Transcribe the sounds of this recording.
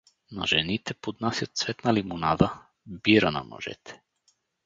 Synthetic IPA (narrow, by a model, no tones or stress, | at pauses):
na̰ʒɛnit̪ɛpod̪nasjat̪svɛt̪nalimonad̪a | biɾana̰nɔ̰ʒɛ̰t̪ʰɛ̥